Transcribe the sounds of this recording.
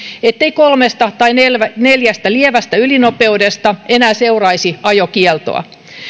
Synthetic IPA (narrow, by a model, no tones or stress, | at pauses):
et̪ːeikolmest̪ɑt̪ɑinelʋæneljæst̪ælieʋæst̪æylinopeudest̪ɑenæːseurɑisiɑjokielt̪o̰ɑ̰